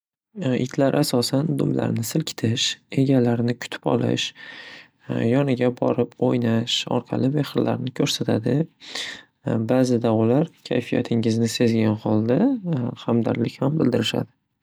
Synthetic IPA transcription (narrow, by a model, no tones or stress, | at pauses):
ʔɪ̰t̪ʰlaɾʔasɒsand̪ʊmla̰ɾnɪsɪlkʲʰɪ̥t̪ʰɪʃe̞ɡʲalaɾnɪkʰʊ̥t̪ʰɪ̥pɒ̰lˠɪ̰ʃ | jɒnɪɡʲabɒ̰ɾɪpojnaʃɒ̰ɾqʰɑ̰lˠɪme̞χɪɾla̰ɾnɪkʰɵɾsat̪ʰad̪ɪ | baːzɪd̪aʊlaɾkʲʰa̰jfija̰t̪ʰɪŋɪznɪse̞zɡʲanhɒlˠd̪ahamd̪a̰ɾlɪkʲhambɪld̪ɪɾɪʃa̰d̪ɪ